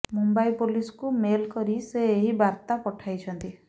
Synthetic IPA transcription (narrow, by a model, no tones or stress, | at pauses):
mumbajpulisɔ̥kumelkɔɾiseːɦibaɾt̪apɔʈʰajt͡ʃʰɔnt̪i